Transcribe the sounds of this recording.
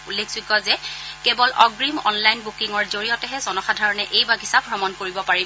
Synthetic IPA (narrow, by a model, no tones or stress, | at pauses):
ulːekʰsikɔzɛkɛbɔlɔɡɹimɔ̰nlajnbukiŋɔɹzoɹijɔtɛɦɛzɔnɔxadʱaɹɔnɛʔejbaɡʱisap̚ːɹɔmɔnkoɹibɔpaɹi